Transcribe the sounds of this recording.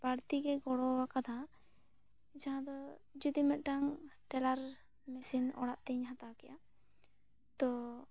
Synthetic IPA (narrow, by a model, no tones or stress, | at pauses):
b̥aɾt̪iɡɛɡɔɽɔwakad̪ʱa | d͡ʒaɦãd̪ɔd͡ʒud̪imɛt̪̚ˀʈaŋʈɛlaɾ | mɛsinɔ̰ɽaʔt̪ɛɲɦãt̪awkɛja | t̪ɔ